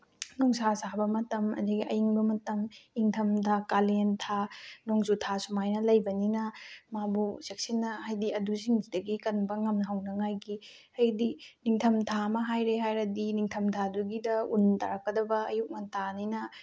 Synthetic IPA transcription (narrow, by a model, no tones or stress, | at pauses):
nɔŋsasabɐmɐtɐmɐ̰ziɡiʔɐjiŋbɐmɐtɐmiŋtʰɐmdʰakalentʰanoŋzutʰasumajnɐlɐjbɐninɐmabusek̚sinːɐhajdiɐdusiŋzidɐɡikɐnbɐŋɐmnɦawnɐŋajɡi | hɐjdiniŋtʰɐmtʰamɐɦajɾeɦajɾɐdiniŋtʰɐmtʰaduɡidɐunta̰ɾɐkːɐdɐbɐɐjuk̚nɐtʰaninɐ